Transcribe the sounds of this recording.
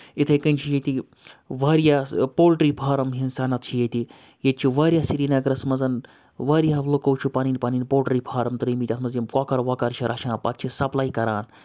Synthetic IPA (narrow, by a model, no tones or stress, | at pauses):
it̪ʰɐkɐnʲt͡ʃʰijet̪i | ʋaːɾjaːpoːlʈɾiːpʰaːɾɐmɦinsaːnɐt̪t͡ʃʰijet̪i | jet̪̚t͡ʃʰiʋaːɾʲijaːsiɾiːnɐɡɾɐsmɐzɐn | ʋaːɾjaːlukowt͡ʃʰupaːniːnpaːniːnpoːlʈɾiːpʰaːɾɐmt̪ɾiːmit̪ʲɐt̪mɐzjimkaːkɐɾʋaːkɐɾt͡ʃʰiɾʔɐʃʰãːpɐ̰t̪̚t͡ʃʰisɐplaːikɐɾaːn